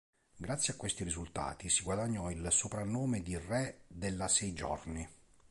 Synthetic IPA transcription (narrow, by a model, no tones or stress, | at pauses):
ɡɾat̪sːjeakːwest̪irizult̪a̰ːt̪isiɡwad̪aɲːɔilsopɾanːoːmed̪irɛd̪elːasɛjd͡ʒɔ̰rni